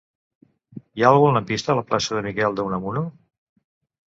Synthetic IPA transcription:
ialˠɣuənunəpist̪əːləplasəðəmikɛlˠd̪əunəmuno

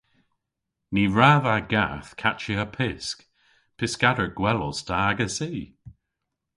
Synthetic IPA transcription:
niɹavaɡa̰θkʰat͡ʃɪəpʰɪsk | pʰɪskadə˞ɡ̥wɛlˠɔstʰaaɡəsiː

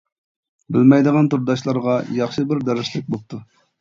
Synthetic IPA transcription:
bɪlmɛjd̪əʁɑnt̪ʰuɾd̪ɑʃlˠɑɾʁɑjɑχʃɨbɪɾd̪ɛɾɪʃlɪk̚ʲbop̚t̪ʰu

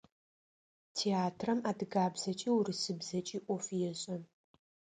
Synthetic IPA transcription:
tʰeaːtʰrɐmaːdɨɡaːbz̥ɐt͡ʃʼiːwɾɨsɨbzɐt͡ʃʼiːʔʷɔfjɛɕʼɐ

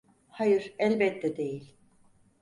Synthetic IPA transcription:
hajɯɾɛlʲbɛt̪ʰːɛd̪e̞jilʲ

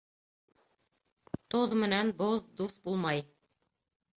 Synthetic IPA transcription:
t̪oðmɘ̆nænboðd̪uθbulˠmɑj

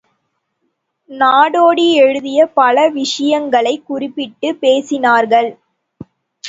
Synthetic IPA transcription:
naːɽoːɽiɛɻɯðɪjɐpɐlɐʋɪʂɐjɐŋɡɐɭɐɪkːʊrɪpːɪʈːɯpeːsɪnaːɾɣɐɭ

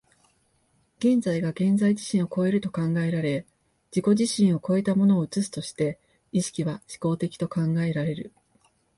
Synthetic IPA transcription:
ɡ̥ẽ̞nd͡zaiɡaɡẽ̞nd͡zaid͡ʑiɕĩɰ̃o̞ko̞e̞ɾɯ̟t̪o̞kãŋɡae̞ɾaɾe̞ | d͡ʑiko̞ʑiɕĩɰ̃o̞ko̞e̞t̪amo̞no̞ːɯ̟t͡sɨsɨ̥t̪o̞ɕi̥t̪e̞ | iɕi̥kʲiβaɕi̥ko̞ːt̪e̞kʲi̥t̪o̞kãŋɡae̞ɾaɾe̞ɾɯ̟

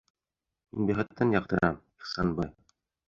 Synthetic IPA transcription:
minbiχɘ̆t̪ːɤnjɑq̚t̪ɤ̆ɾɑm | iχsɑnbɤj

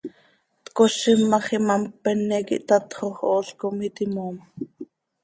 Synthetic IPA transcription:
t̪koʃimːɑχimɑmpɛnɛkḭʔt̪ɑt̪χoχoːɬkomit̪imoːma

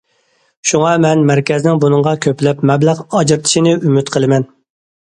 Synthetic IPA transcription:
ʃuŋɑmɛnmæɾkʲʰɛznɪŋbunɨŋʁɑkʲʰøplɛpmɛblæʁɑd͡ʒɾɨt̪ʰɨ̥ʃinɪʔymyt̪qʰəlˠɨmɛn

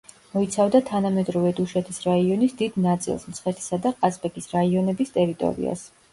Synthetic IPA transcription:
mɔit̪sʰavd̪at̪ʰanamɛd̪ɾɔvɛd̪uʃɛt̪ʰisɾaiɔnisd̪id̪nat̪sʼḭlˠsmt̪sʰχɛɾt̪ʰi̥sad̪aqʼasbʼɛkʼisɾaiɔnɛbist̪ʼɛɾit̪ʼɔ̰ɾḭa̰s

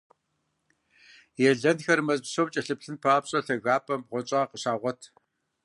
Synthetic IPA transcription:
jɛɮɐnxɐrmɐzsoːmt͡ʃʼɐɬɨpɬɨnpʰaːpɕʼɐɬɐɣaːpʰʼɐmbʁʷɔt͡ʃʼaːqəɕaːʁʷɔtʰ

